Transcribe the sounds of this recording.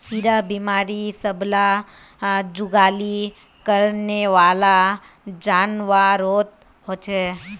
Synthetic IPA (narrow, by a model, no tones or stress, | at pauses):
iɾabimaːɾisəbla | d͡ʒʊɡaːli | kəɾneʋaːla | d͡ʒaːnʋaɾoːt̪̚ | ɦoːt͡ʃɦɛː